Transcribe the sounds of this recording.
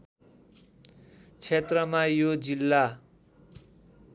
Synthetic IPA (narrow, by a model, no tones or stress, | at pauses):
t͡sʰet̪rʌmajod͡zilːa